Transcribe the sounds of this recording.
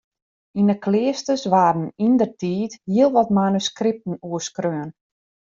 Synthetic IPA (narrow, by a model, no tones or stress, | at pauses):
inəklɪəstəsʋaːdən̩indərtʰiːthiəlˠʋɔtmanyskrɪp̚tn̩uəskrøən